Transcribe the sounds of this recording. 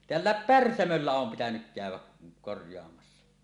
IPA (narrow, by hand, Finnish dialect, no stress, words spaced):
teælːæˑep pærsæmølːæ om pitænyk kæˑywˑæ korjˑoɑmɑsːɑ